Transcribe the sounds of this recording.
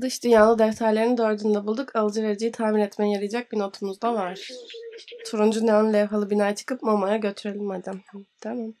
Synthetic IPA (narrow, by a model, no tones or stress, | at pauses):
d̪ɯʃd̪ynjaːlˠɯd̪ɛft̪ʰaɾlʲe̞ɾind̪øɾd̪ynd̪ɛbulˠd̪ukʰalˠɯd͡ʒɯveɾd͡ʒijit̪ʰaːmiɾɛt̪mɛjjaɾɯjd͡ʒac̚bino̞t̪ʰumuzd̪avaɾ̥ | t͡ʃʰuɾund͡ʒuneanlʲeɦalˠɯbinaːjat͡ʃʰɯ̥kɯp̚momajaɟø̞t̪ʰyɾe̞lʲimad̪amt̪ʰamam